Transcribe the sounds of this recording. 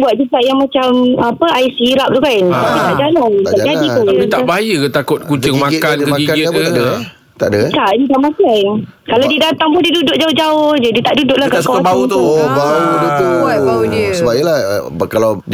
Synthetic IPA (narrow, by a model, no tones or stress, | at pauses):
buat̪̚d͡ʒuɡaʔjaŋmãt͡ʃamapəaisiɾap̚t̪ukant̪aʔdit̪aʔd͡ʒalaŋad͡ʒadit̪uit̪aʔbaajət̪akʊt̪̚kut͡ʃɪŋmakkankəiɡɪəd | t̪aʔət̪aʔd͡ʒit̪aʔmakan | kaladidat̪aŋpʊndidudʊʔ̚d͡ʒaʊhd͡ʒaʊhd͡ʒadit̪aʔdudʊʔlakasukaabaut̪baudət̪ubaunəsəbaila | kalaw